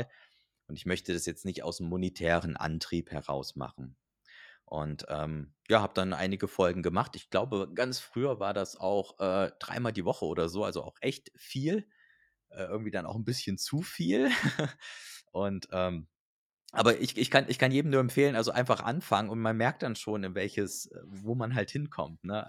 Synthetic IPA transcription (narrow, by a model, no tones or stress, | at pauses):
l | ʔʊntɪçmœçtədasjɛt͡stnɪçta̰ʊsnəmːonitʰɛːʁənʔa̰ntʁ̥iːphɛʁa̰ʊsma̰χn̩ | ʔʊ̰ntʔɛːmjaːhaːbəd̥anʔa̰ɪnɪɡəfɔlɡŋ̩ɡəmaχtɪçɡ̥laʊbəɡ̥ant͡sfʁ̥yːɐvaːɐdasa̰ʊxʔɛːd̥ʁa̰ɪmaːldiːvɔχəoːɾɐzoːa̰lzoa̰ʊxʔɛçtfiːl | ʔɛːʔɪɐɡŋ̩tv̥iːdanaʊxn̩bɪsçənt͡sufiːl | ʔʊntʔɛːm | ʔa̰ːbɐʔɪçʔɪçkʰanʔɪçkʰanjeːdm̩nuːɐɛmfeːlənʔalzoʔa̰ɪnfaχʔa̰nfaŋənʊntmanmɛɐk̚td̥anʃoːnɪnvɛlçəsʔɛ̰ːvoːmanɦalthɪnkʰɔ̰mtnə